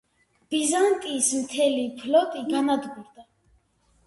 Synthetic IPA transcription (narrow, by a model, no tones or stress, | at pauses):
b̥izant̪ʼiːsmt̪ʰɛlipʰlɔt̪ʼiɡanad̪ɡuɾd̪a